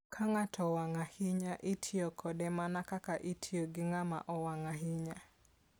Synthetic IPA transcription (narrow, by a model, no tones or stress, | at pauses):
kʰaŋatʰɔwaŋahɪɲaʔitʰiɔkʰɔdɛmanakakaʔitʰioɡɪŋama̰ʔɔwaŋaɦɪɲa